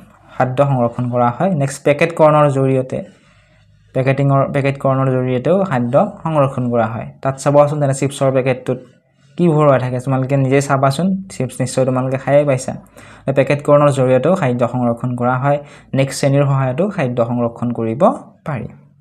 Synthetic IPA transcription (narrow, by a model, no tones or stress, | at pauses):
xʰadɔxɔŋɹɔkʰːɔnkɔɹaɦɔjnɛkspɛkɛtkɔɹɔnɔɹzoɹijɔtɛ̰ | pɛketiŋɔɹpɛkɛtkɔɹɔnɔɹzoɹijɔtɛʊxʰadːɔxɔŋɹɔkʰːɔnkɔɹaɦɔ̰jtatsabɔas̬ʊntɛnɛsipsɔɹpɛkɛtːʊt̚ | kibʱɔɹɔajtʰakɛtumalʊkɛnizɛjsabasʊnsipsnisːɔjtʊmalʊkɛxʰajɛpajsa̰tɛpɛkɛtkɔɹɔnɔɹzoɹijɔtɛʊkʰajdɔxɔŋɹɔkʰːɔnkɔɹaɦɔjnɛkstseniɹxɔɦajɔtʊxʰajdɔxɔŋɹɔkʰːɔnkoɹibɔpaɹḭ